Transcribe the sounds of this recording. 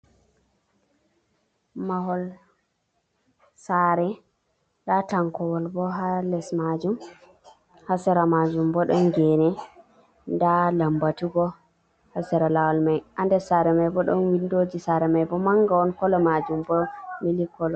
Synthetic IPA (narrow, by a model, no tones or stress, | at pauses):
maɦɔl | saɾɛ | ɗataŋkɔwɔlbɔɦalɛsmad͡ʒum | hasɛɾamad͡ʒumbɔɗɔnɡɛnɛ | ndalambatuɡɔ | hasɛɾalawalmajʔandɛsaɾɛmajbɔɗɔnwindod͡ʒisaɾɛmajbɔmaŋɡaɔnkɔlɔmad͡ʒumbɔmilikɔlɔ